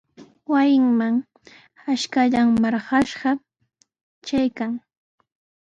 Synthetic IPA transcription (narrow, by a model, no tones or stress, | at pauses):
wajɪŋmaŋ | aʃkaʎaŋmɑɾɢɑʃɢɑ | t͡ʃajkaŋ